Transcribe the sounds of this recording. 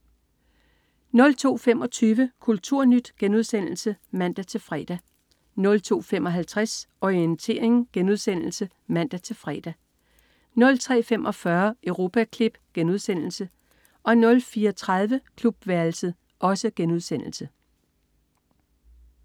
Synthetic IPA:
nɔ̽lt͡sʰo̝̰ːfemɒ̽t͡sʰyːʋəkʰult͡sʰuɐ̰nyd̥ɡ̥enuð̞ˠsen̰l̩səmæn̰d̥æt͡sʰe̝fʁɛ̰d̥æ | nɔ̽lt͡sʰo̝̰ːfem̰ɒ̽ɦælt͡sʰʁasʔɒient͡sʰe̝̰ːɐ̰eŋɡ̥enuð̞ˠsen̰l̩sə | mæn̰d̥æt͡sʰe̝fʁɛ̰ːd̥æ | nɔ̽lt͡sʰʁɛ̰ːfemʔɒ̽fɶɐʔəʊʁo̝ːpʰækʰle̝b̥ɡ̥enuðˠsen̰l̩sə | ʔɒ̽nɔ̽lfiːɐɒt͡sʰʁað̞ˠʋəkʰlub̥ʋæɐl̩sə | ʔɒ̽səɡ̥enuð̞ˠsen̰l̩sə

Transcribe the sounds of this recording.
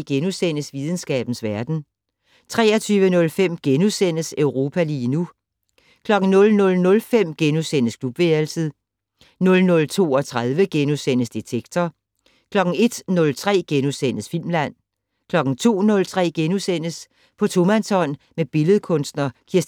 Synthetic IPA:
ɡ̥enusen̰əsʋiðˠən̩sɡ̥ɛ̰ːb̥n̩sʋæɐd̥n̩ | t͡sʰʁɛ̰ːɐt͡sʰyːʋənɔ̽lfem̰ɡ̥enusen̰əsøʊʁo̝ːpʰæliːnu | kʰlɒ̽ɡ̥n̩nɔ̽lnɔ̽lnɔ̽lfem̰ɡ̥enusen̰əskʰlub̥ʋeɐlsəðˠ | nɔ̽lnɔ̽lt͡sʰo̝̰ːɒt͡sʰʁaðˠʋəɡ̥enusen̰əsd̥et͡sʰeɡ̥t͡sʰɒ | kʰlɒ̽ɡ̥n̩e̝d̥nɔ̽lt͡sʰʁɛ̰ːɡ̥enusen̰əsfil̰mlæn̰ | kʰlɒ̽ɡ̥n̩t͡sʰo̝̰ːnɔ̽lt͡sʰʁɛ̰ːɡ̥enusen̰əs | pʰɒ̽t͡sʰo̝mænsɒ̽n̰ | meb̥e̝ləðˠkʰɔ̽nsd̥nɐkʰiɐ

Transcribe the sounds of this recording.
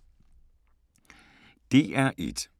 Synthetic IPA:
d̥e̝̰ʔæɐʔed̥

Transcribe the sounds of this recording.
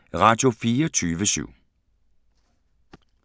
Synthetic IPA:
ʁɑːd̥jofiːɔt͡sʰyːʋəsy̰ʊ̰

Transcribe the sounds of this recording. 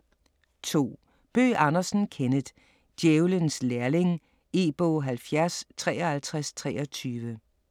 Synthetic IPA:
t͡sʰo̝̰ː | b̥ø̰ːʔɑ̈nɐsn̩kʰenəð̥ˠ | d̥jeʊlənslæɐle̝ŋ | e̝ːb̥ɔɦælfjæɐst͡sʰʁɛːɒhælt͡sʰʁast͡sʰʁɛːɒt͡sʰyːʋə

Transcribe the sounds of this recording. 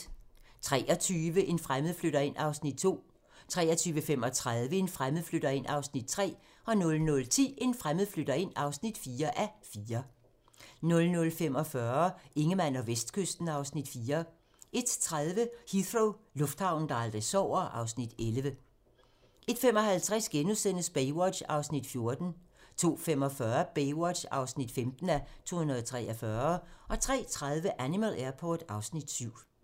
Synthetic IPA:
t͡sʰʁɛ̰ːʔɒ̽t͡sʰyːʋəʔe̝nfʁaməð̩ˠfløɾɐe̝n̰ɑ̈ʊsnid̥̚t͡sʰo̝̰ː | t͡sʰʁɛ̰ːɐt͡sʰyːʋəfem̰ɒ̽t͡sʰʁaðˠʋəe̝nfʁamð̩ˠfløɾ̥ɐe̝n̰ʔɑ̈ʊsnid̥̚t͡sʰʁɛ̰ː | ɒ̽nɔ̽lnɔ̽lt͡sʰḭːe̝nfʁaməð̩ˠfløɾ̥ɐe̝n̰ɑ̈ʊsnid̥fiːɐʔæfiːɐ | nɔ̽lnɔ̽lfem̰ɒ̽fɶɐe̝ŋəmæn̰ɒ̽ʋesd̥̚kʰøsd̥n̩ɑ̈ʊsnid̥fiːɐ | e̝d̥t͡sʰʁaðˠʋəhiθʁoʊlɔ̽fd̥hɑ̈ʊ̰n̩d̥ɑːld̥ʁesɒʊ̰ɐʔɑ̈ʊsnid̥elʋə | ʔe̝d̥fem̰ɒ̽ɦælt͡sʰʁasɡ̥enusen̰əsb̥eɪwɒ̥ɕɑ̈ʊsnid̥fjo̝ɐd̥n̩ | t͡sʰo̝̰ːfemɒ̽fɶɐb̥eɪwɒd̥ɕɑ̈ʊsnid̥femd̥n̩æt͡sʰo̝̰ːhunɐðˠɒt͡sʰʁɛ̰ːʔɒfɶːɐʔɒ̽t͡sʰʁɛ̰ːt͡sʰʁað̞ˠʋəʔænimælʔæɐpʰɒːd̥ɑ̈ʊsnid̥syʊ̰

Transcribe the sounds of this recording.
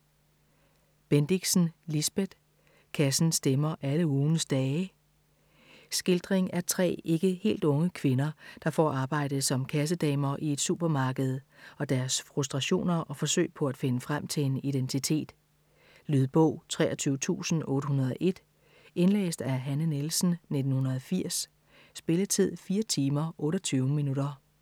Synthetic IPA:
b̥end̥iɡ̥sn̩lisb̥eð̥ˠ | kʰæsn̩sd̥emɐʔæləuːnəsd̥ɛː | sɡ̥e̝ld̥ʁeŋæɐt͡sʰʁɛ̰ːe̝ɡ̥əhe̝̰ːld̥ɔ̽ŋəkʰʋe̝nɐd̥ɑ̈fɒ̰ːɑ̈ːb̥ɑ̈ɪ̰d̥ð̩ˠsɒ̽mkʰæs̬əd̥ɛ̰ːmɐʔie̝d̥sub̥ɐmɑ̈ːɡ̥əð̞̩ˠɒ̽d̥æɐsfʁusd̥ʁɑɕo̝̰ːnɐʔɒ̽fɒ̽sø̰ɪ̰pʰɒ̽æd̥fe̝nəfʁam̰t͡sʰe̝enid̥ent͡sʰit͡sʰe̝̰ːd̥ | lyð̞ˠb̥ɔʊ̰t͡sʰʁɛ̰ːɐt͡sʰyːʊət͡sʰṵːsn̩ɔ̽ːɾəɦunɐð̞ˠɒʔe̝d̥ | enlɛ̰ːsd̥æɐɦænənelsn̩ne̝d̥n̩hunɐðˠɒfiɐ̰sː | b̥e̝lət͡sʰið̰ˠfiːɐt͡sʰiːmɐʔɔ̽ːɾɒt͡sʰyːʊəminuɾ̥ɐ

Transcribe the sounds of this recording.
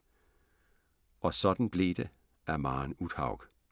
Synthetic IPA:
ʔɒ̽sɒ̽d̥n̩b̥lḛːd̥e | æɐmɑ̈ːnuð̥hɑ̈ʊɡ̥

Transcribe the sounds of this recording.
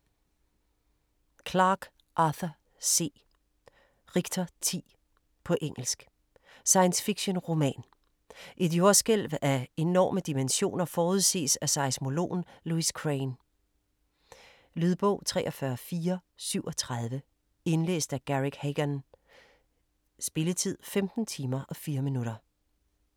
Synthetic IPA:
kʰlɑ̈ɡ̥ | ʔɑθɐ | se̝̰ː | ʁiɡ̥t͡sʰɒt͡sʰḭː | pʰɒ̽ʔeŋ̰l̩sɡ̥ | sɑ̈ɪənsfiɡ̥ɕo̝nʁo̝mɛ̰ːn | ʔe̝d̥jo̝ɐsɡ̥el̰ʋæe̝nɒ̰ːməd̥imenɕo̝̰ːnɐfɒːuðˠse̝̰ːsæsɑ̈ɪsmo̝lo̝̰ːnluiskʰʁeɪn | lyð̞ˠb̥ɔʊ̰t͡sʰʁɛ̰ːʔɒ̽fɶɐfiːɐsyʊ̰ʔɒ̽t͡sʰʁað̞ˠʋə | e̝nle̝̰ːsd̥æɡ̥æʁeɡ̥heɡ̥ɐn | sb̥e̝lət͡sʰið̞̰ˠfemd̥n̩t͡sʰiːmɐʔɒ̽fiːɐminuɾ̥ɐ

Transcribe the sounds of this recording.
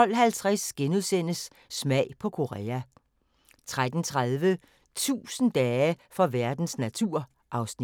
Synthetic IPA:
ɒ̽l̰ɦælt͡sʰʁasɡ̥enuðˠsen̰əsː | mæɪ̰pʰɒ̽kʰo̝ʁɛ̰ːæ | t͡sʰʁad̥n̩t͡sʰʁaðˠʋə | t͡sʰṵːsn̩d̥ɛːəfɒ̽ʋæɐd̥n̩snæt͡sʰuɐ̰ | ʔɑ̈ʊsni

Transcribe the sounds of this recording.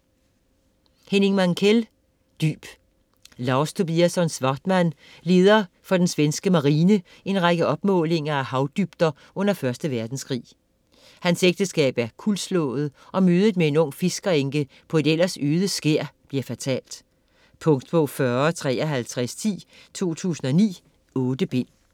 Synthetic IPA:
hene̝ŋmæŋkʰel | d̥y̰ːb̥ | lɑ̈ʊst͡sʰo̝b̥iæsɒ̽nsʋɑ̈d̥mæn̰ | le̝ːð̞ˠɐ | fɒ̽d̥ensʋensɡ̥əmɑ̈ʁiːnə | e̝nʁɑɡ̥əɒ̽b̥mɔ̰̽ːle̝ŋɐæhɑ̈ʊd̥yb̥d̥ɐ | ʔɔ̽n̰ɐfɶɐsd̥əʋæɐd̥n̩skʰʁḭː | hænseɡ̥̚d̥əsɡ̥ɛ̰ːb̥æɐkʰulslɔ̰̽ð̩ˠʔɒ̽møːð̞ˠəð̩ˠmee̝nɔ̽ŋ̰fe̝sɡ̥ɐeŋɡ̥ə | pʰɒ̽e̝d̥elɐsøːðˠəsɡ̥eɐ̰b̥liɐ̰fæt͡sʰɛ̰ːld̥ | pʰɔ̽ŋ̰d̥pʰɔ̽fɶɐt͡sʰʁɛ̰ːɒɦælt͡sʰʁɛst͡sʰḭːt͡sʰo̝̰ːt͡sʰṵːsn̩ɒ̽nḭː | ɔ̽ːd̥əb̥e̝n̰

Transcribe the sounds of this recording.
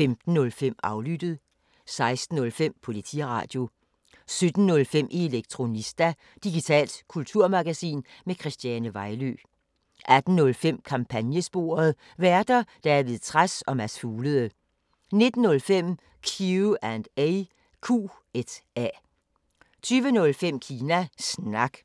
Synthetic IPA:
femd̥n̩ːɔ̽lfem̰ɑ̈ʊlyd̥əð̞̩ˠ | sɑ̈ɪsd̥n̩ːɔ̽lfem̰pʰolit͡sʰḭʁɑ̰̈ːd̥jo̝ | sød̥n̩nɔ̽lfem̰ʔie̝leɡ̥̚t͡sʰʁo̝nisd̥æ | d̥iɡ̥it͡sʰɛ̰ːld̥kʰult͡sʰuɐ̰mɑ̈ɡ̥æsḭːnmekʰʁɛsd̥jænəʋɑ̈ɪlø̰ | ʔæd̥n̩ːɔ̽lfem̰kʰɑ̈mpʰænjəsb̥o̝̰ːɐð̞̩ˠ | ʋæɐd̥ɐd̥æ̈æɐʋle̝ð̩ˠt͡sʰʁasɒ̽mæsfuːləðˠə | ne̝d̥n̩ːɔ̽lfem̰ | kʰjuænd̥eɪ | kʰṵː | ed̥æ | t͡sʰyːʋənɔ̽lfem̰kʰiːnæsnɑ̈ɡ̥

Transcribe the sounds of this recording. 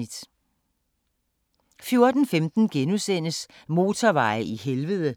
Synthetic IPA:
id̥ | fjo̝ɐd̥n̩femd̥n̩ɡ̥enusen̰əs | mo̝ːt͡sʰɐʋɑ̈ɪʔiɦelʋəð̞ˠə

